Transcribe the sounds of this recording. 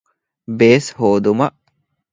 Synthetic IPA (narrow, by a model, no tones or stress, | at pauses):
beːshoːd̪umɐʔ